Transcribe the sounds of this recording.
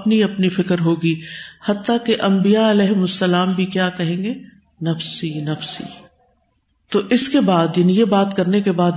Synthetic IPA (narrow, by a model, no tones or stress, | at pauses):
pniɐpnifɪkəɾɦoːɡihɐt̪ːakeʔɐ̃mbijaɐlɛːɦʊmʊsːɐlaːmbʱikjaːkɐɦẽːŋɡe | nɐfsinɐfsḭ | t̪oʔɪskebaːd̪jaːnijebaːt̪kɐɾnekebaːd̪